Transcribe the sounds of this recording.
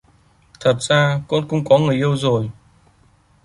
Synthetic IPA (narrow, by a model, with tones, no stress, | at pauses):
t̪ʰə˨˩t̚z̥aː˧ko̰˧˥nkʊ̰˧˥ŋ͡mkɔ˨˦ŋɨ˨˩əjʔi˧əwzo˨˩j